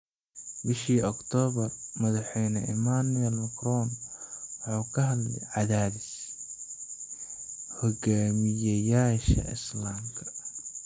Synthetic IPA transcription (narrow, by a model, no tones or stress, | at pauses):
bɪʃiːɔkt̪ʰɔːβɐrmɐðɑħɛjnɐʔɪmanʊɛlmɐkrɔnwɑħuːkʰɐɦɐlɛ̰ʕɑðaːbɪs | hɔɡaːmɪjɐjaːʃɐ̰ɪ̰slaːmkʰɐ̥